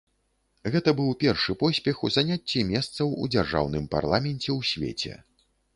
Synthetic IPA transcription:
ɣɛt̪ɐbɨwpʲɛrʂɨpɔsʲpʲɛxuzanʲat͡sʲːimʲɛst̪sɐwud͡zʲarʐa̰wnɨmpa̰rlˠamʲɛnʲt͡sʲɛwsʲvʲḛt͡sʲɛ̰

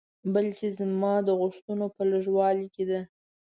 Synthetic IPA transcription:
balkezmɑd̪əɣʊʂt̪unopəloʒwɑliked̪a

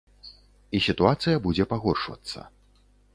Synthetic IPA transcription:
isʲit̪uat̪sɨjɐbud͡zʲɛpaɣɔrʂvɐ̰t̪sːɐ̰

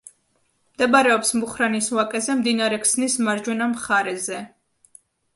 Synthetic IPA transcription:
md̪ɛbaɾɛɔpsmuχɾaniswakʼɛzɛmd̪inaɾɛkʰsnismaɾd͡ʒwɛnamχaɾɛzɛ

